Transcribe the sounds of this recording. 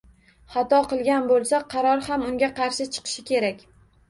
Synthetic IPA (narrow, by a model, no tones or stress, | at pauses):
χɑt̪ɒqʰɨlˠɡʲanbolˠsaqʰɑɾɒɾhamʊŋɡʲaqʰɑɾʃɪt͡ʃʰɨ̥qʰɨ̥ʃɪkʲʰe̞ɾakʲ